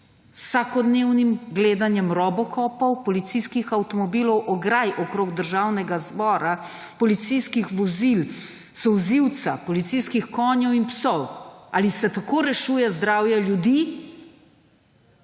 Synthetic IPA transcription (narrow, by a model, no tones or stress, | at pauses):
ssakɔd̪neːwnimɡleːd̪anjɛmɾɔːbɔkʰɔːpɐwpɔlit̪sijskixawt̪ɔmɔbiːlɔwʔɔɡɾajʔɔkɾoːɡd̪əɾʒaːwnɛɡazbɔːɾa | pɔlit̪sijskixʋɔzil | sɔwziwt̪sapɔlit̪sijskixkɔːnjɔwinpsɔwa̰ːlisɛt̪akoːɾɛʃuːjɛzd̪ɾaːwjɛljud̪iː